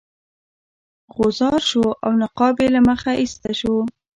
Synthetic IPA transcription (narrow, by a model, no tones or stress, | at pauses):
ɣozɑɾʃoawnaqɑbelaməxaʔist̪aʃo